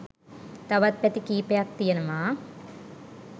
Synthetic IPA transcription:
t̪ɐʋɐt̪̚pɛt̪ikiːpejak̚t̪ijənɐʋaː

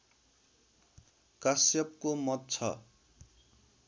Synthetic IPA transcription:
kasjʌp̚komʌt̪̚t͡sʰʌ̰

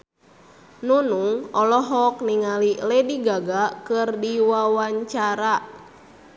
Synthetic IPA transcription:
nunuŋɔlɔɦɔk̚niŋalilɛdiɡaɡakɨrdiwawaɲt͡ʃaɾa

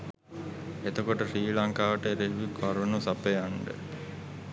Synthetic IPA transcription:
et̪okoʈəʂiːlaŋkaːʋəʈəeɾeɦʋikʋaɾʋənusapeaɳɖə̰

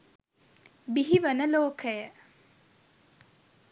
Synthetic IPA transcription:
biɦiʋɐnəloːkəjə

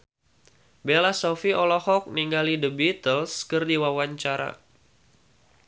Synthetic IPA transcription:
belasofiʔɔlɔhɔk̚niŋɡalidəbit̪əlskərdiwawaɲt͡ʃaɾa̰

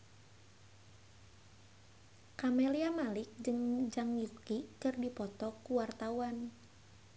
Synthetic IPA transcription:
kamɛliamalik̚d͡ʒɨŋd͡ʒaŋjukikɨrdipɔt̪ɔkuwart̪awan

